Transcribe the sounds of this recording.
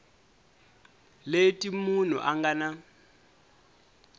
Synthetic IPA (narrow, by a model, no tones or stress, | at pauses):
letʼimun̤ṵʔaŋɡana